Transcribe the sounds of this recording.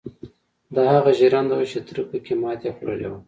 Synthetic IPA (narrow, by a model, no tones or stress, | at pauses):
d̪ɑhaɣaʒiɾɑnd̪awut͡ʃet̪ɾupəkemɑt̪exoɾə̰lḛwa